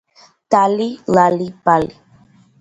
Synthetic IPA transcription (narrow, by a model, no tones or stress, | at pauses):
talilalipali